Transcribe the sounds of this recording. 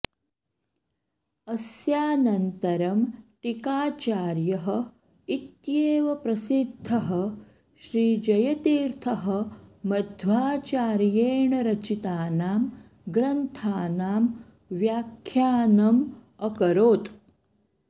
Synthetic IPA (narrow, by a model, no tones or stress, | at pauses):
ɐsjaːnɐnt̪ɐɾɐmʈikaːt͡ʃaːɾjɐɦɐ̆ | it̪jeːʋɐpɾɐsid̪ʱːɐɦɐ | ʃɾiːd͡ʒɐjɐt̪iːɾt̪ʰɐɦɐ̆mɐd̪ʱʋaːt͡ʃaːɾjeːɳɐɾɐt͡ʃit̪aːnaːm | ɡɾɐnt̪ʰaːnaːm | ʋjaːkʰːjaːnɐm | ɐkɐɾoːt̪